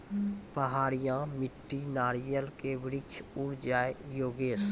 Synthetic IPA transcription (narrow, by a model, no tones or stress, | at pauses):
pəɦaːɾijãmɪʈːinaːɾijəlkeʋɪɾɪkt͡ʃʰʊɾd͡ʒaːejoːɡeːs